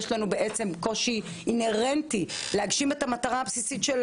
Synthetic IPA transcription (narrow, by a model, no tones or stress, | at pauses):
ʃlanube̞ʔet͡se̞mko̞ʃiː | ne̞ʁentileaɡʃime̞tamataʁaːbsisitʃel